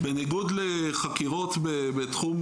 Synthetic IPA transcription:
beniɡudleχakiʁo̞t̪bebet̪χum

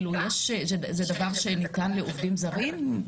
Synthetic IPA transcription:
lujeʃzezedavaʁʃenitanleʔovdimzaʁim

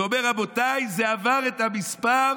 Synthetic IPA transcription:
omeʁabot̪ajzeavaʁet̪amispaʁ

